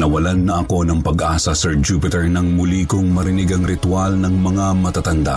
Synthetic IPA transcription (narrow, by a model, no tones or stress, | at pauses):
nɐwɐlanːɐʔɐko̞nɐŋpɐɡʔaːsɐsɛɹd͡ʒupɪt̪ɛɹnɐŋmʊlikoŋmɐɾɪnɪɡɐŋɾɪt̪walnɐŋmɐŋamɐt̪at̪ɐnd̪a̰ʔ